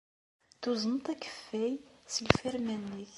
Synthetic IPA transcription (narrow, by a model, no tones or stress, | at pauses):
θuzənt̪ækə̥fːæjsilfæɾmænːiθ